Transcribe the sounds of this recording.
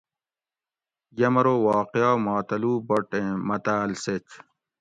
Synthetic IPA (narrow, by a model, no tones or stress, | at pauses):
jɐmɐɾowaːqejaːmaːt̪ɐluːboʈẽmɐt̪aːlset͡ɕ